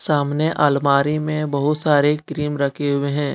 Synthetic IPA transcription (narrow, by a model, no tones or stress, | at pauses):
saːmneʔaːlmaːɾimẽbɐɦʊt̪saːɾekɾiːmɾɐkʰeɦʊeɦɛ̃ː